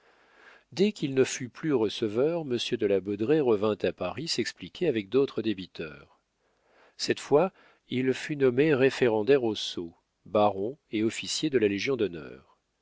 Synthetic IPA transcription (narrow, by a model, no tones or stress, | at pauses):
d̪ɛkʲilnəfyplyʁəsəvœʁməsjød̪əlabɔd̪ʁeʁəvɛ̃t̪apaʁisɛksplikʲʰeavɛk̚d̪ot̪χəd̪ebit̪ʰœ̰ːʁ | sɛt̪fwa | ilfynɔmeʁefeʁɑ̃d̪ɛʁoso | baʁɔ̃eɔfisjed̪əlaleʒjɔ̃d̪ɔnœ̰ːʁ